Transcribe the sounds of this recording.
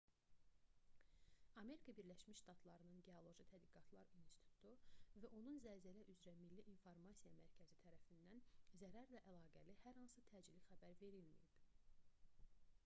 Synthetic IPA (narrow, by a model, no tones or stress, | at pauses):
ɑme̞ɾikʰɑbiɾlæʃmiʃʃt̪ɑt̪ʰlˠɑɾɯnɯnɟe̞olˠo̞ʒit̪ʰæd̪ɡiɡɑt̪ʰlˠɑ̰ɾinst̪it̪it̪ʰu̥t̪ʰuvæʔo̞nunzæɾzælæʔyzɾæmilːiʔinfoɾmɑsijɑmæɾcʰæzit̪ʰæɾæfind̪ænzæɾæɾlæʔælˠɑːɡælihæɾhɑnsɯt̪ʰæːd͡ʒilixæbæɾve̞ɾilmḭjḭb̥